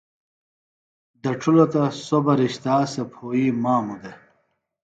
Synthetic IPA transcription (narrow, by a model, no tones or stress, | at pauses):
d̪ɐʈ͡ʂʰulot̪ɐsobɐɾiɕt̪aːsepʰoːimaːmud̪e